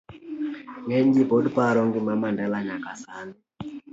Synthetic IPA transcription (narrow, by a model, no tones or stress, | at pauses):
ŋɛɲd͡ʒipɔdpaɾɔŋɡɪmamandalaɲakasanɛ